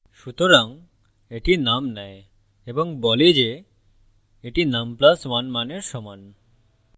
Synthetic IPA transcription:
ʃut̪oɾaŋ | eʈinamnɛe | eboŋbɔled͡ʑe | eʈinamplasmanmaneɾʃɔman

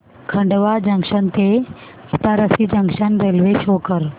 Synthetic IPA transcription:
kʰə̃ɳɖʋad͡ʒə̃ŋkʃənt̪e | kit̪aɾəsid͡ʒə̃ŋʃənɾelʋeʃɦoːkəɾ

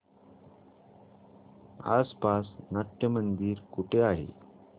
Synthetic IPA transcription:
a̰spasnaʈjəmənd̪iːɾkuʈʰeaɦḛ

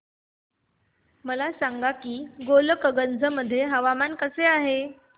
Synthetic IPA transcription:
məlasaŋɡakiːɡoləkəɡənd͡zʱəməd̪ʱːjeɦəʋamankəseaɦe

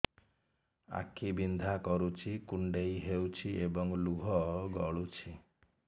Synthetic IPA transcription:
a̰kʰibind̪ʱakɔɾut͡ʃʰikuɳɖejɦewt͡ʃʰiebɔŋluɦɔɡɔɭut͡ʃʰi

